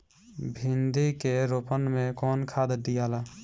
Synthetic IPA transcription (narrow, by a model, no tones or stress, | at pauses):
bʱind̪ikeɾopənmẽkɔːnkʰaːd̪d̪ijaːlaː